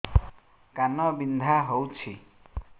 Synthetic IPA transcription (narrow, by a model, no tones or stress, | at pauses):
kanɔbind̪ʱaɦowt͡ʃʰi